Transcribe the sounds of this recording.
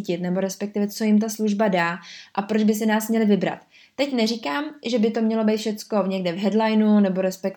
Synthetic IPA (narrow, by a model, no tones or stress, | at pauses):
cɪt̪nɛbo̞ɾɛspɛk̚t̪ɪvɛt͡so̞jɪmt̪̬asluʒbadaːʔapɾod͡ʒbɪs̬ɪnaːsmɲɛlɪvɪbɾa̰t̪ː | ɛcnɛrikaːmʒɛbɪt̪o̞mɲɛlo̞bɛjt̪fʃɛt̪t͡sko̞ɲɛɡdɛvɦɛdlajnunɛbo̞ɾɛspɛk